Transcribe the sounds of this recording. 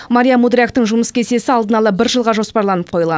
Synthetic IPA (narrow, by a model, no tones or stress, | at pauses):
maɾijamud̪ɾʲakt̪əɴʒʊməskʲʰe̞se̞sɪɑlˠd̪ənɑlˠɑbɪɾʒəlˠʁɑʒo̞spɑɾlˠɑnəp̚qʰo̞jəlˠʁɑn